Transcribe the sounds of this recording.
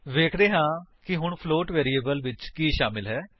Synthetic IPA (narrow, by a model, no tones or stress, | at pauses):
ʋeːkʰd̪eːɦãːkɪɦʊɳpʰloːʈʋeːɾiːeːbəlʋɪt͡ʃkiːʃaːmɪlɦɛː